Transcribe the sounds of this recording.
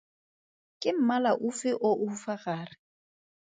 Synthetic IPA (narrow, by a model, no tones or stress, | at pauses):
kʼɪm̩malaʔufɪʔoʔufaɣaːrɪ